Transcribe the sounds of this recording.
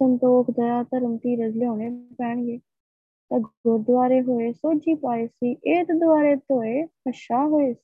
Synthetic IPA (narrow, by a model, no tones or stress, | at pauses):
sə̃nt̪oːkʰd̪ɐɾaːt̪əɾəmt̪iːɾɐzleõːɽ̃epɛːɳ̃ɡeː | t̪ɐɡʊɾd̪ʊʋaːɾeɦoesoːd͡ʒiːpaːesiːʔeːt̪d̪ʊaːɾet̪oːepɐʃaːɦoes